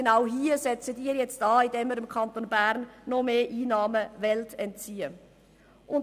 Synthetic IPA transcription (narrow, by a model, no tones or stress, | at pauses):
ənaʊɦiːzɛt͡sədiːjɛt͡st̚daːɪndeːmiːɾɪmkʰantonbɛʁnːɔmeːʔiːnɑːməvɛltɛnt̚t͡siːə | ʔʊn